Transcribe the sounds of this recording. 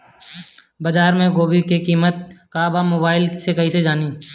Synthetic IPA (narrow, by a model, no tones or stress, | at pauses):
bɐd͡ʒaːɾmẽɡoːbikekiːmət̪̚kaːbamoːbaːɪlsekɐɦised͡ʒaːniː